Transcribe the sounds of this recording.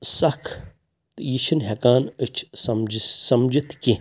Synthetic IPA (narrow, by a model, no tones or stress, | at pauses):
sɐkʰ | t̪jiʃinɦekaːnɨt͡ʃʰsɐmd͡ʒsɐmd͡ʒit̪ki